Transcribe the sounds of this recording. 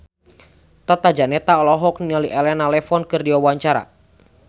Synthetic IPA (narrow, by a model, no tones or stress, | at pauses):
t̪at̪ad͡ʒanɛt̪aɔlɔɦɔk̚niɔliʔɛlɛnalɛfɔnkɨrdiwawaɲt͡ʃaɾa̰